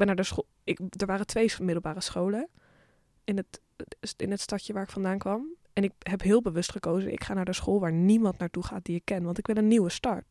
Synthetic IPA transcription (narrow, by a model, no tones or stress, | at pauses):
bɛnaːɹdəsχo | ɪkdəɹʋaːrətʋejmɪdəl̩ˠbaːrəsχowlə | ɪnət | ɪnətstɑtjəʋaːɹɪkfɑndaːnkʋɑm | ɛnɪkɦɛpɦɪːlˠbəʋɵstχəkowzənɪ̰kχaːnaːɹdəsχoːlˠʋaːɹnimɑntnaːɹtuχa̰ːt̚diɪkːɛnʋɑntɪkʋɪlənːiwəstɑɹt